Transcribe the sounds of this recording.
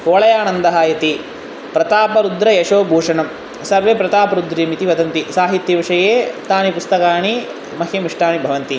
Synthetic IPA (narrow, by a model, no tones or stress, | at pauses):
koːɭɐjaːnɐnd̪ɐɦaːjɐt̪i | pɾɐt̪aːpɐɾud̪ɾɐjɐʂoːbʱuːʂɐɳɐm | sɐɾʋeːpɾɐt̪aːpɐɾud̪ɾimit̪iʋɐd̪ɐnt̪isaːɦit̪jɐʋiʂɐjeːt̪aːnipust̪ɐkaːɳi | mɐɦemiʂʈaːɳibʱɐʋɐnt̪i